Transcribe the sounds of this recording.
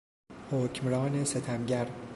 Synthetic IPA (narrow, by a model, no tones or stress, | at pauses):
hoːcʰmɾɒːneset̪ʰæmɟæɾ